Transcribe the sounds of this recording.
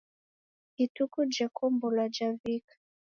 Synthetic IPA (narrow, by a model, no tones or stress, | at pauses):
itukud͡ʒakʰɔmbɔlad͡ʒavikḁ